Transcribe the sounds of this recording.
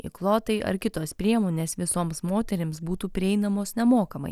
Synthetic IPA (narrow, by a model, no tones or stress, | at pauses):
ɪ̰klˠoːt̪ɐɪʔɐ̰ɾkʲɪt̪oːspʲɾʲiɛmoːnʲeːsʋʲɪsoːmsmoːt̪ʲɛɾʲɪmsbuːt̪uːpʲɾʲɪɛɪnɐmoːsnʲɛmoːkɐmɐ̰ɪ